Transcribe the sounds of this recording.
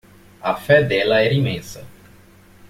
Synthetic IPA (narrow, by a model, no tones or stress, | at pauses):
afɛd̪ɛlaɛɾĩmẽnsɐ